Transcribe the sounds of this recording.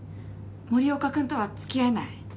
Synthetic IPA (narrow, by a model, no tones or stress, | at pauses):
moɾʲio̞kakɯ̃nt̪o̞βat͡sɨ̥kʲianai